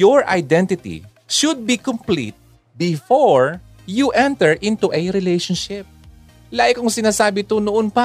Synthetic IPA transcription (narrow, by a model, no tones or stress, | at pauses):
jɔɹʔa̰jd̪ɛnt̪ɪt̪ḭ | ʃʊd̪̚bikɔmplḭt̪̚ | bɪfoɹ | juʔɛ̃nt̪ɛɹʔɪ̃nt̪uʔɛɾɪlejʃɔnʃɪp̚ | laːʔɪkʊŋsɪnaːsaːbɪt̪onoʔonpa